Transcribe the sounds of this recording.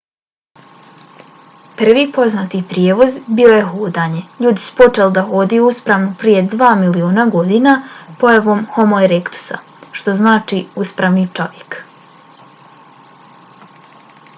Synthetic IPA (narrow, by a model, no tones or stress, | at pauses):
pr̩ʋiːpo̞znaːt̪ipɾjeːʋo̞zbio̞je̞ɦuːd̪aːɲe̞ʎuːd̪isu̥po̞t͡ʃelɪd̪ahoːd̪iuuspɾaːʋnopɾije̞d̪ʋaːmilioːnaɡo̞d̪inapo̞jaʋo̞ːmho̞moeɾekt̪u̥sa̰ | ʃt̪o̞znaːt͡ʃiuspɾaːʋnit͡ʃo̞ʋjek